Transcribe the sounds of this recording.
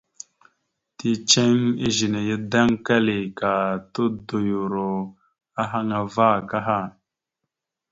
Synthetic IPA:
ti˦t͡ʃe˦ŋi˦ʒi˨ne˨jə˦da˦ŋka˦li˨ka˨tu˦do˨ju˨ɾo˨ | a˦ɦa˦ŋa˨va˦˨ka˦ɦa˦˨

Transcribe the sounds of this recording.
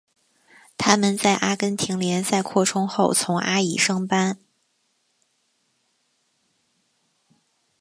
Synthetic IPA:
t̪ʰa˥mə˨nt͡sa˥˩ɪʔa˥kə˥nt̪ʰi˧˥ŋljɛ˧˥nsa˥˧ɪkʰwɔ˥˩ʈ͡ʂʰʊ˥ŋxo˥˩ʊt͡sʰʊ˧˥ŋʔa˥i˨˩ʂɤ˥ŋpa˥n

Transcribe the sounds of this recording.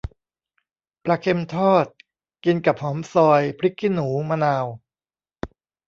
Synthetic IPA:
pɾa˧kʰe˧mt̪ʰɔː˥˩t̪̚ | ki˧nka˨˩p̚hɔː˩˦msɔː˧jpʰɾi˦˥kʰːi˥˩nːuː˩˦maː˧naː˧w

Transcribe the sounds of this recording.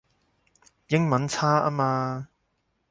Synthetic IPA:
jɪ˥ŋmɐ˨˦˥nt͡sʰaː˥ʔa̰ː˥maː˧

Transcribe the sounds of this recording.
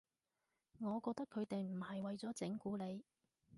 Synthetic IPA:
ŋɔː˨˧kɔː˧k̚t̪ɐ˥kʰːɵ˨˧ɥt̪e˨jm̩˨˩hɐ˨jwɐ˨jt͡sɔː˨˥t͡sɪ˨˥ŋkuː˨˥le˨˧j

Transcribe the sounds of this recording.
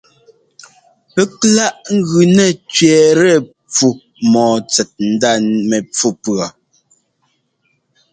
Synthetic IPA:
pɛ˦kla˦ʔŋ̩˦ɣʉ˨nɛ˨t͡ʃɥɛː˨ɾɛ˦˨ | p͡fu˨ | mɔː˨t͡sɛ˨t̚n̩˦da˦˨mɛ˨p͡fu˦˨pɰa˨

